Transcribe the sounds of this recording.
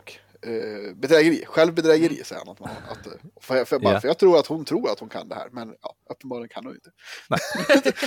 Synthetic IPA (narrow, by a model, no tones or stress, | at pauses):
k | bɛd̪ɾɛɡəɾḭːɧɛlvbɛd̪ɾɛːɡəɾḭːsɛjəha̰nat̪manɾa̰t̪ffbfœɾjɑːɡt̪ʰɾuːɾat̪hʊnt̪ʰɾuːɾat̪hʊnkʰa̰nd̪ɛhæ̰ːɾmɛnjɑ̰ːʔœpːənbɑːɾɭɪɡənkʰanhʊnɪ̰nt̪ə